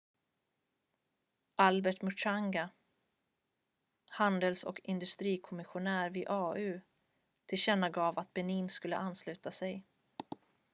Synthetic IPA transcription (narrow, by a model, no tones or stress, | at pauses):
ʔalbɛʈmʊʂaŋɡa | hand̪əlsɔ̰kɪnd̪ɵst̪ɾiːkʰɔmɪɧʊnæːɾvɪʔɑːʉ̟ː | t̪ʰɪlɕɛnːaɡɑːvat̪̚bɛniːnskɵlːə̰ʔanːslʉ̟ːt̪asɛj